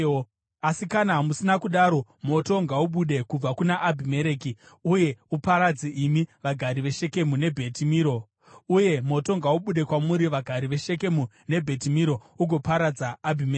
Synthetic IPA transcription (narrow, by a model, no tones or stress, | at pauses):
asikanamusinakuɗaɾo̞mo̞to̞ŋɡauɓuɗe̞kub͡vakunaʔːbʱime̞ɾeːkiuje̞upaɾad͡ziʔimiʋaɡʱaɾiʋe̞ʃe̞ke̞mune̞bʱe̞timiːɾo̞ | uje̞mo̞to̞ŋɡauɓuɗe̞kwamuɾiʋaɡʱaɾiʋe̞ʃe̞k̬e̞mu | ne̞bʱe̞timiɾo̞uɡʱo̞paɾad͡zaːbʱime